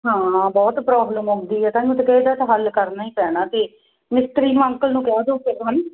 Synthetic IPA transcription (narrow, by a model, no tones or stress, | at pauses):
ɦãːbɔːt̪pɾɔːbləmokʰd̪iːɛːt̪ãːnũːt̪ekɛd̪aːt̪aɦəlkəɾnaːĩːpɛːɽ̃ãːt̪eː | mɪst̪ɾiːñːə̃ŋkəlnũːkɛaːd̪oːkɪɾɦən